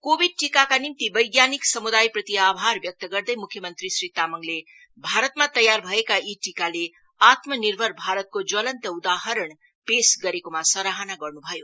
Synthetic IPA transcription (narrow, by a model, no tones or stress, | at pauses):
kobʱiɖ̚ʈikakanimt̪ibʌjɡjaniksʌmud̪ajprʌt̪iabʱarbjʌk̚t̪əɡʌrd̪əjmukʰjʌmʌnt̪ɾisrit̪amʌŋle | bʱaɾʌt̪mat̪ʌjarbʱʌekaiʈikale | at̪mʌnirbʱʌrbʱaɾʌt̪̚kod͡zʌlʌnt̪əud̪aɦʌɾəɳ | pesɡʌɾekomasʌɾaɦanaɡʌrnubʱʌjo